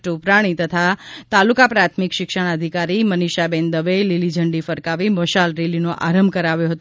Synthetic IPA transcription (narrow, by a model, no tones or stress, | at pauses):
ʈupɾaɽ̃it̪ət̪ʰat̪alukapɾat̪ʰmikʃɪkʃəɽ̃əd̪ʱikaɾiməniʃabend̪əʋelilid͡ʒʱəɳɖifəɾkaʋiməʃalɾelinoʔaɾəmbʱkəɾaʋjoɦət̪